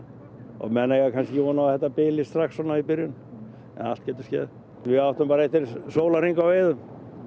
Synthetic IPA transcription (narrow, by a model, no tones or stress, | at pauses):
ɔ̰mɛnejɣakʰanscɪvɔːnaθɛht̪ːapɪːlɪst̪ɾaxsɔnːaipɪɾjʏn | ɛ̰nal̥t̪̚cɛːt̪ʏ̥scɛ̰ːð | vɪawht̪ʏmpaːɾaɛht̪ɪɾsoːwlariŋkawvejðʏm